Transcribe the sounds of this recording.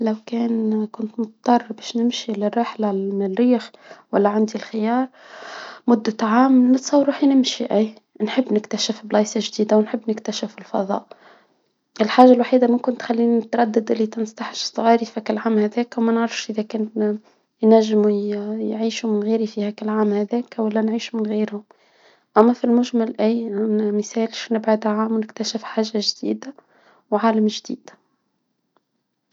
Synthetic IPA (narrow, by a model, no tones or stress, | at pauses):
lawkɛːnkʊnt̪mʊt̪t̪ˤːɑrˤːbɛːʃnɪmʃilɪrːɑħlamɪnɪlːiːxwælːæʕand̪ilxɪjɑːɾˤ | mʊd̪ːat̪ʕaːmnɪt̪sˤɑwɾuːħinɪmʃiʔæː | nħɪbːnɪkt̪aʃɪfblɑːsaʒd̪iːd̪awnħɪbːnɪkt̪aʃɪfɪlfɑ̰ðˤɑ̰ːʔ | ʔɪlħaːʒːalwaħiːd̪amʊmkɪnt̪xalːiːniɪt̪ɾˤɑd̪ːɪd̪ʔɪlːit̪ɪnst̪ɑħʃsˤːʊɣiːɾifækɪlʕaːmhæðɛːkwmænʕɾˤɑfʃʔɪðækɛːn | jnæʒːmujʕiːʃumɪnɣiːɾifihækælʕaːmhæðɛːkwælːænʕiːʃumɪnɣiːɾhʊm | ʔæmːæfilmʊʒmalʔæjmɪθɛːlʃnɪbʕad̪aʕaːmnɪkt̪æʃɪfħaːʒːaʒd̪ḭːd̪a | wʕaːlamʒd̪ḭːd̪̥